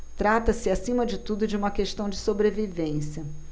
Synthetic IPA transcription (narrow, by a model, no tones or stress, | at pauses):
t̪ɾat̪ɐsɪasĩmɐd͡ʒɪt̪ud̪ʊd͡ʒɪũmɐkeʃt̪ɐ̃w̃d͡ʒɪsobɾevivẽsiɐ